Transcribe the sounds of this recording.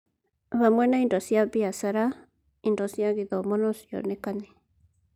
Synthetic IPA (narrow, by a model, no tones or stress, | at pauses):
βamwenaindosiabiasaɾa | indosiaɣiðomonosio̰nekane